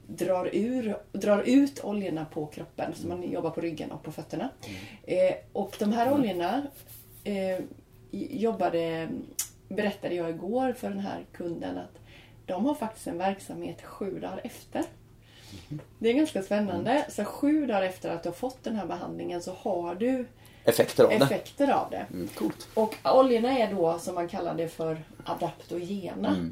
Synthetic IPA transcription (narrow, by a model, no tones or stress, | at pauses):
d̪ɾɑːɾʉ̟ːɾd̪ɾɑːɾʉ̟ːt̪ʰɔ̰ljəɳapʰɔkʰɾɔpːə̰nsɔmːanjʔɔbːaɾpʰɔɾʏɡːə̰nʔɔ̰k̚pʰɔfœt̪ːəɳa | ʔɔkd̪ɔmɦæːɾɔljəɳa | jɔbːad̪ə | bɛɾɛt̪ːad̪əjɑːɪɡoːɾfœɖɛnɦæ̰ːɾkʰɵnd̪ə̰na̰t̪ | d̪̥ɔmhaɾfak̚t̪ɪ̥st̪ɛnvæɾksamheːt̪ɧʉ̟ːd̪ɑːɾɛft̪əɾ | d̪ɛæɾɡanskaspɛnːand̪əsɔt̪ɧʉ̟ːd̪ɑːɾɛft̪əɾat̪d̪ɵhaɾfɔt̪ːd̪ɛnɦæːɾbɛɦa̰nd̪lɪŋənsɔhaɖɵ | ɛfɛkt̪əɾ̰ɛfɛkt̪əɾa̰vd̪ɛ̰kʰult̪ɔkɔljəɳaɛɖɔsɔmːankʰalːa̰d̪d̪ɛfœɾʔad̪apt̪ɔjeːna